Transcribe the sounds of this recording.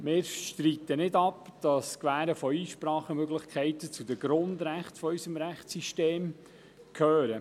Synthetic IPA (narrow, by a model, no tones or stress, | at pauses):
mɪːɾʃt̪ɾiːt̪ənɪdɑpd̥ɑskvæːɾəfɔiːʃpɾɑːχəmøɡlɪχkʰɛɪtət͡sudəɡ̥ɾʊndɾæχtfɔœʏsəmɾæχt͡ssiʃteːm | kʰøːɾə